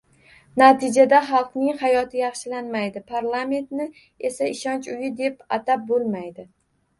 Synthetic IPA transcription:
nat̪ʰɪd͡ʒad̪aχɑlˠqnɪŋhajɒt̪ʰɪjɑχʃɪlanmajd̪ɪpʰaɾlˠame̞nt̪nɪ | e̞saɪʃɒnt͡ʃʊjɪd̪e̞pat̪ap̚bolˠmajd̪ɪ

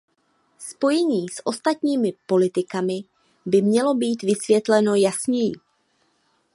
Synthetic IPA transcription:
spo̞jɛɲiːsʔo̞st̪at̪ɲiːmɪpo̞lɪt̪ɪkamɪ | bɪmɲɛlo̞biːt̪vɪsvjɛt̪lɛno̞jasɲɛjɪ̰

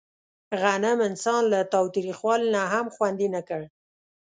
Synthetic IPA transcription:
ɣanamɪnsɑnlat̪ɑwt̪ɾixwɑlinaɦamxwand̪inakəɽ

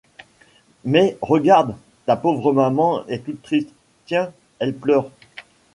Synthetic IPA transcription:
mɛʁəɡaʁd̪ | t̪apovʁəmamɑ̃ɛt̪ut̪ːχist̪ | t̪jɛ̃ | ɛlplœːʁ

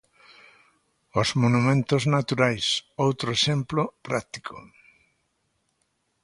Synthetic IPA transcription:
ozmonumẽnt̪oznat̪uɾajsowt̪ɾoesẽmplopɾakt̪i̥kʰo̰

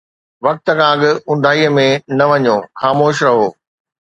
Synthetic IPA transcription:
ʋɐk̚t̪ə̆kʰãːɐɠɪʊ̃ɳɖʱaːiəmẽnɐʋɐɲoːxaːmoːʃɾɐɦoː

